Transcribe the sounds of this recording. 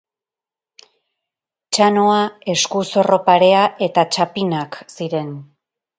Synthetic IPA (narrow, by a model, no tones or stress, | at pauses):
t͡ʃanoae̞skuso̞ro̞paɾe̞aʔe̞t̪at͡ʃapinaksiɾe̞n